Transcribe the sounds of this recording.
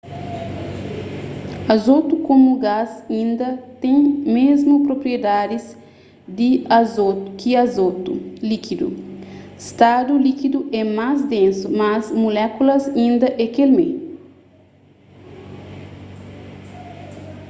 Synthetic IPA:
ɐzot̪ukõmuɡazĩnd̪ɐt̪ẽŋmezmupɾopɾied̪ad̪iz | d̪iazokiazot̪ulikid̪ṵ | st̪ad̪ulikid̪uʔɛmazd̪ẽnsumɐzmulɛkulɐzĩnd̪ɐʔɛkelmḛ

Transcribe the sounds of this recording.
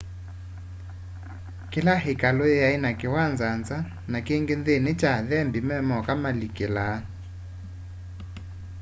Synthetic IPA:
kɪlaɦɪkaloejainakɪwand͡zand͡za | nakeŋɡenðenet͡ʃaðɛmbimɛmɔkamalikela

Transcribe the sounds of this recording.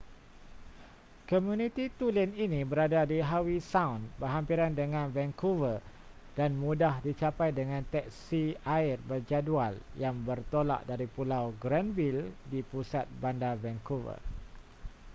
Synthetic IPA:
komjunĩt̪it̪ulininĩbəɾadadiɦawisawnbəɦampiɾandəŋãnvɛŋkuvə | d̥anmũdahdit͡ʃapajdəŋãnt̪ɛk̚siaɪrbərd͡ʒadualjaŋbərt̪ola̰ʔdaɾipulawɡɾanvildipusat̪̚bandavɛŋkuvə̰

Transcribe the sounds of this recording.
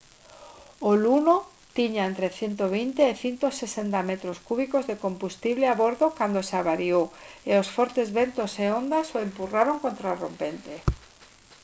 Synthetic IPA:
oluno | t̪iɲaẽnt̪ɾeθjent̪oβ̞int̪eːθint̪osesent̪amet̪ɾoskuβ̞ikozðekombust̪iβleaβoɾðokand̪osaβaɾioeosfɔɾt̪ezβent̪oseond̪asoempuraɾoŋkont̪ɾaro̰mpent̪e

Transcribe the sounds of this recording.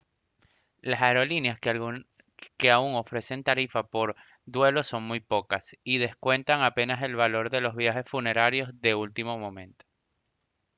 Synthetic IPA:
lasaeɾo̞linjas | ke̞auŋo̞fɾe̞se̞nt̪aɾifapo̞ɾ | d̪we̞lo̞so̞ŋmujpo̞kasiðe̞skwe̞nt̪aŋape̞nase̞lβalo̞ɾðe̞lo̞zβjaxe̞sfune̞ɾaɾjo̞zðe̞ult̪imo̞mõ̞mẽ̞nt̪o̥

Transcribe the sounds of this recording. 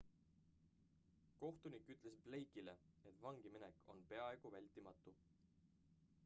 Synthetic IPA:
ko̞ht̪unikːˑyt̪ˑle̞sb̥le̞jkileet̪ːˑvɑŋɡ̥imineko̞̰npe̞ɑe̞ɡ̥uvælʲt̪imɑt̪ːˑu

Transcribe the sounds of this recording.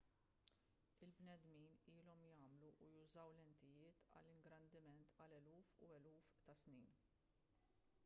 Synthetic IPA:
ɪlbnɛd̪miːniːlɔmjɐːmluʔːjʊzɐwlɛnt̪ɪjɪːt̪ɐ̰lːɪŋɡɾɐnd̪ɪmɛnt̪ɐlɛluːfuɛluːft̪ɐsniːn

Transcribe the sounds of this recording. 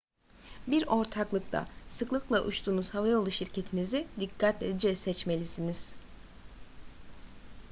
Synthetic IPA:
biɾo̞ɾt̪ʰaklˠɯk̚t̪ʰa̰sɯklˠɯklˠaʔut͡ʃt̪ʰuːnuz̥havajolˠuʃiɾcʰe̞t̪ʰinizid̪ikʰːat̪lʲed̪id͡ʒɛsɛt͡ʃme̞lʲisiniz̥

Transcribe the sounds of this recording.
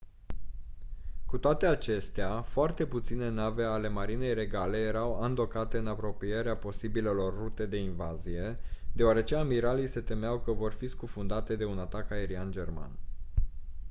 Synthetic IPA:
kut̪oat̪e̞at͡ʃe̞st̪eafoart̪e̞put̪sine̞nave̞ale̞maɾine̞jɾe̞ɡale̞je̞ɾawand̪o̞kat̪e̞ɨnapɾo̞pije̞ɾeapo̞sibile̞lo̞rːut̪e̞d̪e̞invazije̞d̪e̞oaɾe̞t͡ʃe̞amiɾalijse̞t̪e̞meawkəvo̞rfiskufund̪at̪e̞d̪e̞unat̪akae̞ɾiand͡ʒe̞rma̰n

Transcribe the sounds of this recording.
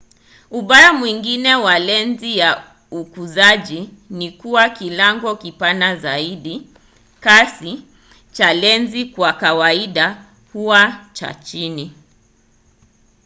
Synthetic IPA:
uɓaɾamwiŋɡinɛwalɛnzija | ukuzaʄinikuwakilaŋɡɔkipanazaiɗi | kasi | t͡ʃalɛnzikwakawaiɗa | huwat͡ʃa̰t͡ʃini

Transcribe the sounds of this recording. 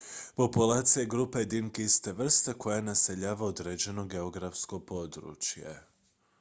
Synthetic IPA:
po̞pulaːt̪sijaɡɾuːpaed̪inkist̪eʋr̩st̪ako̞janase̞ʎaːʋaod̪ɾed͡ʑe̞no̞ɡe̞o̞ɡɾafsko̞po̞d̪ɾṵːt͡ʃjḛ

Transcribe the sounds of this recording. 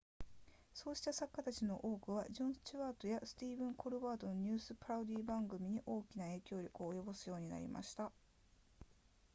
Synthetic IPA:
so̞ːɕi̥t̪asakːat̪at͡ɕino̞ʔo̞ːkɯ̟β̞aʑõ̞ɰ̥̃t͡ɕiβaːt̪o̞jasɨ̥t̪ʲiːbɯ̟̃ŋkʰo̞ɾɯ̟βaːt̪o̞no̞ɲ̟ʲɨːsɨpɯ̟ɾaod̪ʲiːbãŋɡɯ̟mʲiɲ̟iʔo̞ːkʲinae̞ːkʲo̞ːɾʲo̞kɯ̟oːjo̞bosɨjo̞ːɲ̟ina̰ɾʲḭmʔa̰ɕi̥t̪a

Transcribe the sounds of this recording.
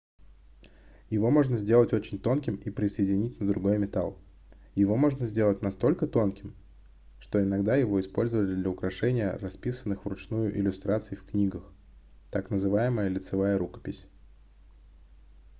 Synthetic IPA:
jɪvo̞mo̞ʐnəzʲdʲe̞lˠətʲo̞t͡ɕɪnʲt̪o̞nkʲɪmipɾʲɪsəjɪdʲɪnʲitʲnəd̪ɾʊɡo̞jmʲɪt̪alˠ | jɪvo̞mo̞ʐnəzʲdʲe̞lˠətʲnɐst̪o̞lʲkət̪o̞nkʲɪm | ʂt̪o̞ɪnɐɡd̪ajɪvo̞ɪspo̞lʲzəvəlʲɪd̪lʲəʊkɾɐʂɛnʲɪjə̰rɐspʲisənːɨxvrʊt͡ɕnujʊʔɪ̰lʲʊst̪ɾat̪sɨjfknʲiɡəx | t̪aknəzɨvajɪməjəlʲɪt̪sɨvajəɾukə̥pʲɪsʲ

